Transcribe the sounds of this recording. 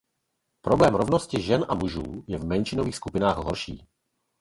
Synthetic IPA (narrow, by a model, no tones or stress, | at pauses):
pɾoblɛːmɾovnoscɪʒɛnʔamuʒuːjɛvmɛnʃɪnoviːxskupɪnaːxɦoɾʃḭː